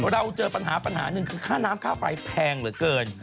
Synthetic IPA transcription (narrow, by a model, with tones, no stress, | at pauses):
ɾa˧wt͡ɕɤː˧pa˧nɦaː˩˦pa˧nɦa̰ː˩˦nɯ˨˧ŋkʰɯː˧kʰaː˥˩naː˦˥mkʰaː˥˩fa̰˧jpʰɛː˧ŋɾɯ˩˦kɤː˧n